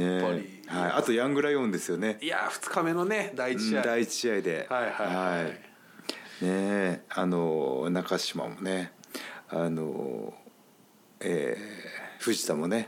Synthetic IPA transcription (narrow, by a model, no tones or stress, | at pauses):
ne | haiʔat̪o̞jãŋɡɯ̟ɾajõ̞nd̪e̞sɨjo̞ne̞ia̰ɸɯ̟̥t͡sɨ̥kame̞noned̪aid̪ait͡ɕiaid̪e̞ajhahai | neanonakaɕima̰mo̞̰ne̞ | ano̰ | ḛ | ɸɯ̟ʑi̥t̪amo̞ne̞